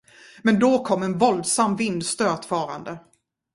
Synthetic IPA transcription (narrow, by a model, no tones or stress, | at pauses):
mɛnd̪okʰɔmːɛnvɔld̪samːvɪnd̪st̪øːt̪fɑːɾa̰nd̪ə